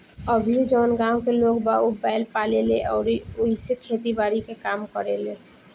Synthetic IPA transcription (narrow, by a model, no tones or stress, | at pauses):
əbʱid͡ʒɔːnɡãːwkeloːɡbaʊbaːɪlpaːleleʔɔːɾiʊisekʰeːt̪ibaːɾikekaːmkəɾeleː